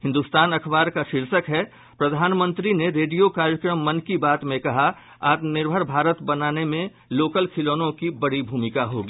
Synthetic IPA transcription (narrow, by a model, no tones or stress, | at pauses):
hɪ̃nd̪ust̪aːnɐkʰʋaːɾkaʃɪɾsəkɦɛ | pɾɐd̪ʱaːnmə̃nt̪ɾineɾeːɖijokaːɾjəkɾəmːɐ̃nkibaːt̪mẽkɐɦa | aːt̪nɪɾbʱəɾbʱaːɾət̪bɐnaːnemẽ | loːkəlkʰɪloːnõkibɐɽibʱuːmɪkaɦoːɡiː